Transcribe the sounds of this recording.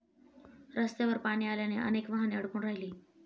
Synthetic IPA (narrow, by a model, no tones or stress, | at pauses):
ɾəst̪eʋəɾpaɽ̃iːaljaneʔə̰nekʋaɦaneəɽkuːɳɾaɦiliː